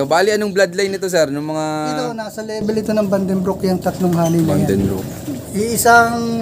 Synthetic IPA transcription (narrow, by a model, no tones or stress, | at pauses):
obaːlɪɐnoŋblad̪lɐjnɪt̪o̞sɛɾnʊŋmɐŋat̪onaːsɐlɛːbɛlɪt̪o̞nɐŋbɐnd̪ɛnbɾokjɐŋt̪ɐt̪noŋɦaːnɪnɐd̪ɛnɾo̰k | ʔiɪsaŋ